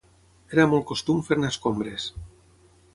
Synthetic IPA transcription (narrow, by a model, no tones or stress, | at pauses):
eɾamol̚ˠkost̪umfeɾnaskombɾes